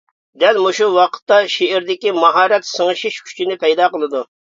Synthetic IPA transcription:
d̪ɛlmoʃuwɑqʰə̥t̪ːɑʃeɪɾd̪ɪkʲimɑɦɑːɾɛt̪səŋɨʃiʃkʲʰy̥t͡ʃʰinɪpɛjd̪ɑːqəlˠɨd̪u

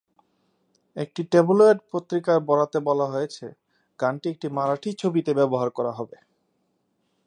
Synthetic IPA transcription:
ek̚ʈiʈebuloeɖpot̪ːɾikaɾbɔɽat̪ebɔlaɦojet͡ɕʰe | ɡ̥anʈiek̚ʈimaɾaʈʰit͡ɕʰobit̪ebɛboɦaɾkɔɾaɦɔbe

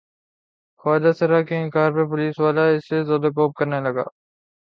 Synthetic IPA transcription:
xaːd̪asɐɾakeɪ̃nkaːɾpeɾp̬ʊliːsʋaːlaɪsːezaːd̪akoːp̚kɐɾnelɐɡa̰ː

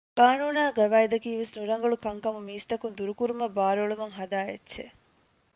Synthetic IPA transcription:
kaːnuːnaːɡɐʋaːjd̪ɐkiːʋesnuɾɐŋɡɐɭukɐŋkɐmumiːst̪ɐkund̪uɾukuɾumɐbaːɾɐɭumɐŋɦɐd̪aːjḛtːʃḛ

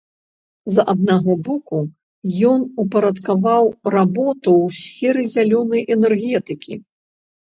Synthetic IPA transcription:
zʔad̪̚naɣɔbɔku | jɔnupɐɾɐt̪kavawrabɔt̪uwsʲfʲɛɾɨzʲalʲɔnɐjʔɛnɛrɣʲɛt̪ɨkʲʰḭ

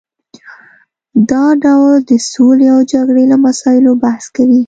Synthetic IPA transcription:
d̪ɑɖawld̪əsoleawd͡ʒaɡɽelamasɑɪlobahskawi

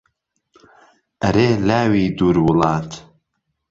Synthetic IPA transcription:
ʔɐɾeːlaːwiːd̪uːɾwʊlɑːt̪

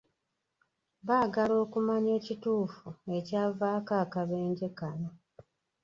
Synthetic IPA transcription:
βaːɡalo̞ːkumaɲe̞ːcituːfue̞caːvaːkaːkaβe̞ːɲɟe̞kano

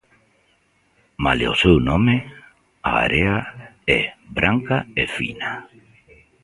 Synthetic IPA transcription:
maleosewnõme | aa̰ɾeaɛbɾʔaŋkaefḭna

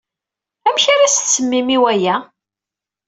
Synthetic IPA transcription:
æmçaɾast͡sːəmːimiwæjæ

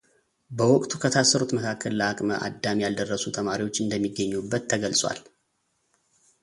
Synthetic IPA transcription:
bəwɔkʼt̪ʰukʰət̪ʰasːəɾot̪məkʰakʰːəlləakʼməʔa̰d̪ːamijald̪ərːəsut̪ʰəmaɾiwo̞t͡ʃːɨnd̪əmːiɡːəɲːubːət̪ʰːəɡəlsʼwa̰l

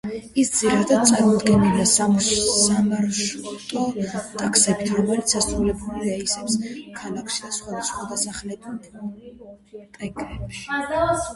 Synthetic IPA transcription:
isd̪ziɾad̪ad̪̚t̪sʼaɾmɔd̪ɡɛniliasamsamaɾʃt̪ʼɔt̪ʼakʰsɛbit̪ʰɾɔmɛlit̪sʰasɾulɛbɾulɾɛisɛpskʰalakʰʃid̪asχwad̪asχwad̪asaχlɛd̪ | t̪ʼɛkʼɾɛpʃi̥

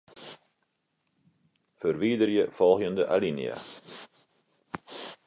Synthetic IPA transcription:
fərʋidərjəfɔlˠxjəndəʔa̰linj̰a̰

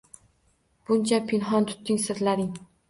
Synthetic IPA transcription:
b̥ʊnt͡ʃʰapʰɪnɦɒnt̪ʰʊ̥t̪ːɪŋsɪɾlaɾɪŋ

